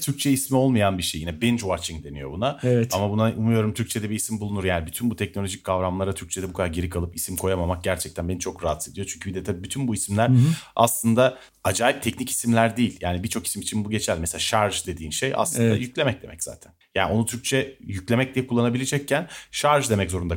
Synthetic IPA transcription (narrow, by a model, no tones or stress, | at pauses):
t̪ʰyɾc̚t͡ʃʰɛismio̞lˠmajanbiʃejːinɛbɛnd͡ʒvat͡ʃiŋd̪e̞nḭjo̞bunavɛamabunaʔumujo̞ɾumt̪ʰyɾc̚t͡ʃʰe̞d̪ɛbiːsimbulˠunuɾjaːnibyt̪ʰynbut̪ʰɛc̚no̞lʲo̞ʒic̚kʰːavɾamlˠaɾat̪ʰyɾct͡ʃʰe̞d̪ɛbukʰad̪aɾɟeɾikʰalˠɯpisimkʰo̞jamamak̚ɟæɾt͡ʃʰɛct̪ʰænbenit͡ʃʰo̞kɾaat̪ʰed̪ijot͡ʃʰyɲcʰybid̪ɛt̪ʰabiːbyt̪ʰynbuisimlʲæɾaslˠɯnd̪a | ad͡ʒaːjip̚t̪ʰɛcnici̥simlʲæɾd̪iːilʲjaːnibit͡ʃʰo̞ki̥simit͡ʃʰinbuɟe̞t͡ʃʰælʲmɛselaːʃaɾʒd̪e̞d̪iːnʃeja̰slˠɯnd̪a̰jyclʲemɛc̚d̪e̞mɛcz̥a̰ːt̪ʰænja̰ːnio̞nut̪ʰyɾct͡ʃʰɛjyclʲe̞mɛc̚d̪ʲijɛkʰulˠːanabilʲed͡ʒɛcːænʃaɾʒd̪emɛczo̞ɾund̪a